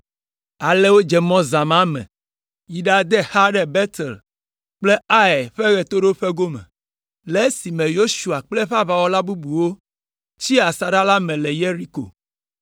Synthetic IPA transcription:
a˨le˦wo˦d͡ʒɛ˨mɔ̃˦za˨mã˦mɛ̰̃˨ | ji˨ɖa˨d̪e˦ha˦ɖɛ˦be˦t̪ɛ˨l | k͡ple˦a˦e˨ɸe˦ɣɛ˨t̪o˦ɖo˦ɸe˦ɡo˦mɛ̰̃˨ | le˨˦si˨mẽ˨jo˦su˨a˨k͡ple˦ɸa˦βa˨wɔ˦la˦bu˦bu˨wo˦ | t͡ɕi˦a˨sa˨ɖa˦la˦mɛ̃˨le˨je˦ɾi˦ko̰˨

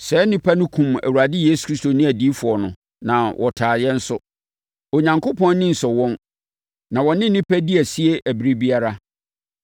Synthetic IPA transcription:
sɛː˨˦nĩ˦pʰa˦nʊ̃˦kʰũ˨mæ̰˨wu˨ɾa˨dɪ˦jeː˦s̬u̥˨kʰɾi˦sto˨nɪ̃˦æ˨di˦fʊ˨ɔ˨nʊ̃˨ | nã˨wʔɔ̰˨tʰaː˨jɛ˦n̩˦sʊ˦ | o˨ɲã˨ŋkʰo˦pʰɔ̃˦n˦nĩ˦n̩˨sɔ˨wɔ̃˦n | nã˨wɔ̃˨nɪ̃˦n˦nɪ̃˦pæ˦di˦æ˨si˦e˦ʔæ˨bi˨ɾi˦bi˦a˦ɾa˦

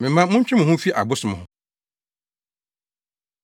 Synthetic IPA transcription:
mɪ̃˨mã˦mʊ̃˦ɲ˦t͡ɕᶣɪ˦mʊ̃˨hʊ̃˦fi˦ʔa̰˨bʊ˦sʊ˨mʊ̃˨hʊ̃˨

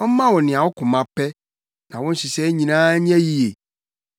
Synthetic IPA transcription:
ɔ̃˦mã˦wɔ̃˨nɪ̃˨a˨wʊ˦kʊ̃˨mã˦pɛ˦ | nã˨wɔ̃˦n̩˦ɕɪ˨sɛ˦ɲĩ˨nãː˦ɲ˦ɛ̃˦ji˨je˨

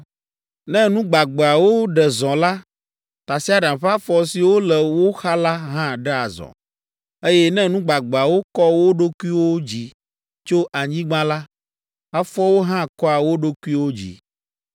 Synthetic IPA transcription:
nɛ̃˦nũ˦ɡ͡ba˨ɡ͡be˨a˨wo˦ɖɛ˨zɔ̃˨la˦ | t̪a˨si˦a˨ɖã˨ɸa˦fɔ˦si˨wo˦lɛ˨wo˦xa˦la˦ɦã˦ɖɛ˦a˨zɔ̰̃˨ | e˦jɛ˦nɛ̃˦nũ˦ɡ͡ba˨ɡ͡be˨a˨wo˦kɔ˦wo˦ɖo˦ku˦i˦wo˦d͡ʑi˦˨ | t͡ʃo˦ʔa˨ɲĩ˦ɡ͡bã˦la˦ | a˦fɔ˦wo˦ɦã˦˨kɔ˦a˨wo˦ɖo˦ku˦i˦wo˦d͡ʑḭ˨

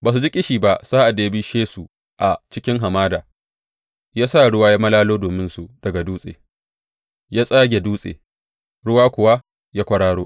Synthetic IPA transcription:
baː˨s̬u˨d͡ʒɪ˦kʲʼɪ˦ʃiː˨ba˦saː˦ʔa˨dːa˨ja˦bi˦ʃeː˦su˨ | ʔa˨t͡ʃɪ˦kʲɪ˦ŋɦa˨maː˦daː˨ | jaː˦sa˦˨ɽʊ˦waː˦jaː˦mɐ˦laː˦loː˦doː˨mɪ˦nsu˨d̥ɐ˨ɡa˨duː˦sʼḛː˨ | jaː˦sʼaː˦ɡʲe˨duː˦sʼḛː˨ | ɽʊ˦waː˦kʷʊ˨wa˦ | jaː˦kʷɐ˨ɽaː˦ɽoː˦ʔ

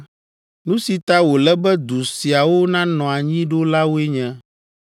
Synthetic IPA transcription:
nũ˦si˨t̪a˦wo˨lɛ˦bɛ˦d̪u˨si˨a˨wo˦nã˦nɔ̃˨a˨ɲĩ˦ɖo˦la˦wo˦e˦ɲɛ̃˦

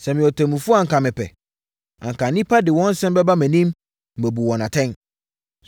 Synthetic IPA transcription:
sɛ˨mɪ̃˨ɔ˨tʰɛ̃˨mũ˨fʊ˦a˦˨ŋ̩˨kʰa˨mɪ̃˨pɛ̰˨ | ã̰˨ŋ̩˨ka˨nĩ˦pʰa˦dɪ˨wɔ̃˦n˦sɛ̃˦m˦bɛ˦ba˦mɛ̃˨nĩ˦m | m̩˨bɛ˨bu˨wɔ̃˨nã˨tʰɛ̃˦ŋ

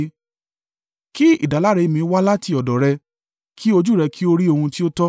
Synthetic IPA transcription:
ki˦ḭ˨da˨la˨˦ɾɛ˧˦mĩ˧˦wa˦la˦ti˧˨ɔ˨dɔ˨ɾɛ˧ | kʰi˦o˧d͡ʒu˦˨ɾɛ˧kʰi˦o˦˧ɾi˦o˧hũ˧ti˦o˦tɔ˦

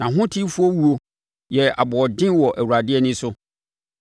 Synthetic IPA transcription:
nã˨ɦʊ̃˦tʰi˦fu˦ɔ˦wu˦o˦ | jɛ˨a̰˨bɔ˨ɔ˨dɪ̃˦wɔ˨ʔæ˨wu˨ɾa˨dɪ˦ɛ˦nɪ̃˦sʊ˦

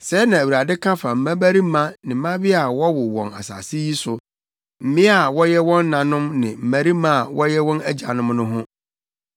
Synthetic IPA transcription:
sɛ˦nã˨æ˨wu˨ɾa˨dɪ˦kʰã˦fa˨m̩˨mæ̃˦bæ˦ɾi˦mã˦nɪ̃˨m̩˦mã˦bɪ˦a˨wɔ˦wʊ˨wɔ̰̃˨na̰˨sa̰ː˨sɪ˦ji˦sʊ˨ | m̩˨mɪ̃˦a˨wɔ˦jɛ˦wɔ̃˦n˦nã˨nʊ̃˦mnɪ̰̃˨m̩˨mæ̃˦ɾi˦mã˦a˨wɔ˦jɛ˦wɔ̃˦næ˦d͡ʑa̰˨nʊ̃˦m˦nʊ̃˦ɦʊ̃˦

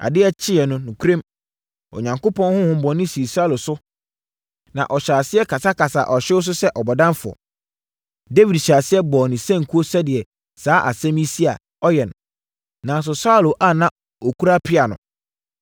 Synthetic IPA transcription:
a̰˨dɪ˦ɛ˦t͡ɕʰɪ˦ɛ˨nʊ̃˦nʊ̃˨kʰu˦ɾẽ˦m | ɔ̰˨ɲã˨ŋko˦pʰɔ̃˦nhʊ̃˦hʊ̃˦bɔ̃˨nɪ̃˦si˨sa˦lo˨sʊ˦ | nã̰˨ʔɔ˨ɕɾaː˨sɪ˦ɛ˦kʰa˨sa˦kʰa˨sa̰˨ʔɔ˨ɕɪ˦wʊ˦s̬ʊ˦sɛ˦ʔɔ˨bɔ˨dã˦nfʊ˨ɔ̰˨ | de˦wi˨dɕa˨sɪ˦ɛ˦bɔː˨nɪ̃˨sɛ̃˦˨ŋ̩˨kʰu˦o˦sɛ˦dɪ˨ɛ˨ | saː˨˦ʔa̰˨sɛ̃˦mi˦si˦a̰˨ | ɔ˦jɛ˨nʊ̰̃˨ | nã˨n˦s̬ʊ˨sa˦ʊ˦˨lo˨ʔa˦nã˦ | ɔ˨kʰu˦ɾa˦pʰɪ˦a˨nʊ̰̃˨

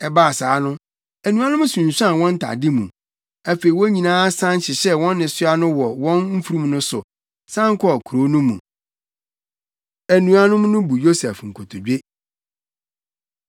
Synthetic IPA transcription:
ɛ˨ba˦˨a˨saː˨˦nʊ̃˦ | æ˨nũ˨a˦nʊ̃˦m˦sũ˨n˨sã˦˨wɔ̃˦n̩˦tʰa̰˨dɪ˦mũ˨ | a˨fe˨i˨wɔ̃˦ɲĩ˨nãː˦sã˦nɕɪ˨ɕɛ˦wɔ̃˦nːɪ̃˨sʊ˦a˦nʊ̃˦wɔ˨wɔ̃˦nm̩˦fu˦ɾũ˦mnʊ̃˦sʊ˨ | sã˦ŋ̩˦kʰɔ˦˨kʰu˨o˦nʊ̃˦mṵ̃˨ | æ˨nũ˨a˦nʊ̃˦mnʊ̃˦bu˨jo˦sɛ˨fŋ̩˨kʰo˨tʰo˨d͡ʑᶣe˦

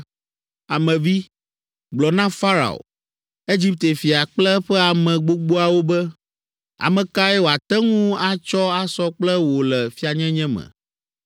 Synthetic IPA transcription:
a˨mɛ̃˨vi˦ | ɡ͡blɔ˨nã˦fa˦ɾa̰˨o̰˨ | e˦d͡ʑi˦p̚t̪e˨fi˨a˨k͡plɛ˦ɸɛ˦a˨mɛ̃˨ɡ͡bo˦ɡ͡bo˦a˨wo˦bɛ˦ | a̰˨mɛ̃˨ka˦ɛ˦wo˨a˨t̪ɛ˦ŋũ˦a˨t͡ʃɔ˦a˦sɔ˦k͡plɛ˦wo˨lɛ˨fi˦a˨ɲɛ̃˦ɲɛ̃˦mɛ̰̃˨

